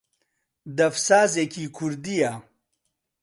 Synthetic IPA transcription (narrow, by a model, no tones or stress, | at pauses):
d̪ɐfsaːzekʰikʰuɾd̪ija